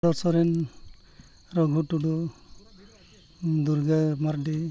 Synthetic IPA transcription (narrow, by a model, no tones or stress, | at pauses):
dɔsɔɾɛn | ɾɔɡʱuʈuɖu | d̪uɾɡamaɾdi